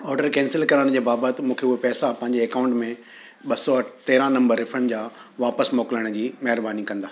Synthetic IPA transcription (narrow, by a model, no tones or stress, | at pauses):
ɔːɖəɾkɛ̃ːnsɪlkɐɾəɽ̃d͡ʑeːbaːbət̪ɪmũːkʰeʊɦepɛːsapɐ̃ɦɪ̃ɲd͡ʑeːkaːʊ̃ɳʈmẽ | ɓɐsɔt̪eːɾãnɐ̃mbəɾːɪfɾə̃ɳɖd͡ʑaː | ʋaːpəsmɔːkɪləɽ̃d͡ʑiːmɐɦɪɾbaːnikɐ̃nd̪aː